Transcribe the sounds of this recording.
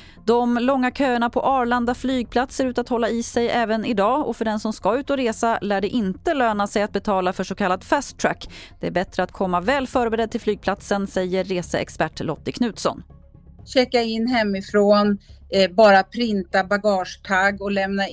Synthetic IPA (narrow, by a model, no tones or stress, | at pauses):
d̪ɔmlɔŋːakʰøːəɳapʰɔʔɑːɭand̪aflyːɡ̚pʰlat̪seːɾʉ̟ːt̪at̪hɔlːaɪsɛjʔɛːvənɪd̪ɑːɔfœɖɛnsɔmskaʉ̟ːt̪ɔɾeːsalæːɖɛʔɪnt̪əløːnasɛjat̪̚bɛt̪ʰɑːlafœʂɔkʰalːad̪fɛst̪t̪ʰɾækːd̪̥ɛæɾbɛt̪ɾəat̪kʰɔmːavɛːlfœːɾbɛɾɛd̪̚t̪ɪlflyːɡ̚pʰlat̪sənsɛjːəɾːeːsəɛ̰kspæʈːlɔt̪ːəkʰnʉ̟ːt̪sɔ̰n | ɕɛkːaɪnːɦɛmːɪfɾoːnbɑːɾapʰɾɪnt̪abaɡɑːʂt̪ʰaɡːɔlɛmna